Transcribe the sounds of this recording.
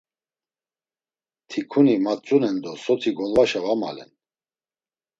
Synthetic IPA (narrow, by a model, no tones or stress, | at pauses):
t̪ʰikʰunimat͡sʼunɛnd̪ɔsɔt̪ʰiɡɔlvaʃavama̰lɛ̰n